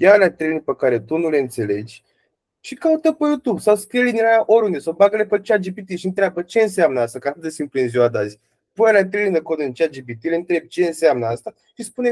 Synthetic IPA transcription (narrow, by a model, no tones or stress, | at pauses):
jalat̪ɾelʲinpəkaɾe̞t̪unule̞ɨnt̪se̞le̞d͡ʒʲ | ʃikaut̪əpejut̪ubsawskɾielinjɾaaʔoɾund̪esawbaɡəlepət͡ʃead͡ʒipit̪iʃiɨnt̪ɾeabət͡ʃe̞ɨns̬amnəast̪akat̪ɨt̪d̪esimpluɨnzioad̪azʲ | punalʲat̪ɾelind̪ekod̪ut͡ʃead͡ʒibit̪ileɨnt̪ɾe̞b̚ʲt͡ʃe̞ɨnseamnəast̪a | ʃispune